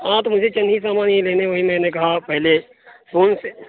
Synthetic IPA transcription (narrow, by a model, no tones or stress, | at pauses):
ãːt̪mʊd͡ʒʱet͡ʃɐ̃nɦis̬aːmaːnɦeleːneʋoɦimɛ̃ːnekɐɦapɛɦle | foːnse